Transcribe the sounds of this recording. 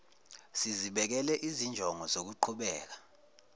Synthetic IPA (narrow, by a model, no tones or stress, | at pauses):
siziɓɛk̬ɛlɛʔizind͡ʒʱɔŋɔzok̬uǃʰuɓɛːk̬a